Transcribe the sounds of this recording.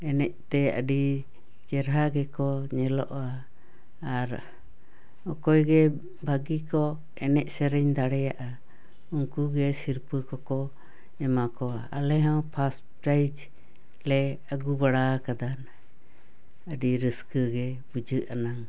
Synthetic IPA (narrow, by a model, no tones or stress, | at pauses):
ɛnɛʔt̪ɛə̰ɖi | t͡ʃɛɾɦaɡɛkɔɲɛlɔʔaː | ɾ | ɔkɔjɡɛ | bʱaɡikɔ | ɛnɛʔsɛɾɛɲd̪aɽɛjaʔa | uŋkuɡɛsiɾpɨkɔkɔ | ɛmakɔaalɛɦɔwpʰas | pɾajd͡ʒ | lɛ | əɡubaɽakad̪an | əɖiɾəskəɡɛ | bud͡ʒɨʔanaŋ